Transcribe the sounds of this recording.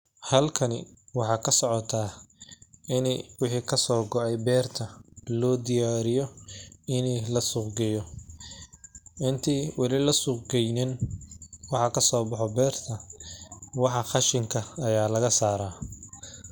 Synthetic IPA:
hɐlkʰɐnɪ̰wɑħɑːkʰɐsɔʕɔt̪ʰaː | ʔɪnɛwɪħiːkʰɐsɔːɡɔʕɛjbɛːrt̪ʰɐlɔːd̪ɪjaːɾɪjɔɪnɛlɐsʊqɡɛjɔ | ʔɪnt̪ʰiwɑlɪlɐsʊqɡɛjnɪn | wɑħɑkʰɐsɔːbɑħɔbɛːrt̪ʰɐ | wɑħɑχɑʃɪŋkʰɐɐjaːlɐɣɐsaːɾaː

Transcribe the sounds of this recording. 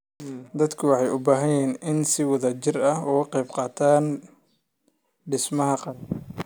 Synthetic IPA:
d̪ɐd̪kʰʊwɑħɑjʊbaːɦɐjiːnɪnsɪwɐðɐt͡ʃɪrɐɦɔːqɛjbqɑːt̪ʰaːn | ɖɪsmɐɦɐqɑ

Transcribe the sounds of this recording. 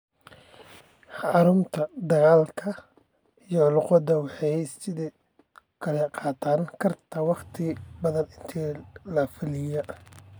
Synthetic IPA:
ħɑɾʊmt̪ʰɐd̪ɐɣaːlkʰɐ | ijɔlʊqɔd̪ɐwɑħɑjsɪði | kʰɐlɛqɑːt̪ʰaːnkʰɐrt̪ʰɐwɑχt̪ʰɪbɐðɐnɪnt̪ʰiːlɐfɪlɪjɐ

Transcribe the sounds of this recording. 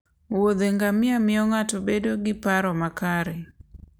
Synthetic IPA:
wod̪eŋɡamɪamɪɔŋatobedoɡɪpaɾɔmakaɾe

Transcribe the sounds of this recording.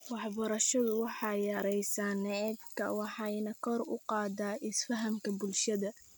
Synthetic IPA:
wɑħbɐɾɐʃɐðʊwɑħɑjɐɾɛjsaːnɛɛbkʰɐwɑħɑnɐkʰɔrʊ̰qɑːd̪aːʔɪsfɐɦɐmkʰɐbʊlʃɐðɐ

